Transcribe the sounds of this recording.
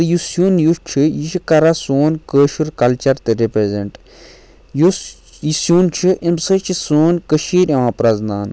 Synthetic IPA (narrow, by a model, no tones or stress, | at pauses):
ɾjusjoːnjuʃt͡ʃʰijiʃʰikɐɾasoːnkəːʃuɾkɐlt͡ʃɐɾt̪ɨɾepɾezeɳʈ | jo | isjoːnt͡ʃʰiʔimsɐt͡ʃʰisoːnkəʃiːɾɐʋãːpɾɐznaːn